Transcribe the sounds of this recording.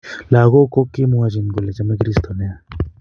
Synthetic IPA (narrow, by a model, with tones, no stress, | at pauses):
la˨ɣo˦ko˦kːɪ˦mo˦a˦d͡ʒi˨nɡo˨lɛ˨t͡ʃa˦mɛ˦kɾi˦st̪ɔ˨nɛ˦a˨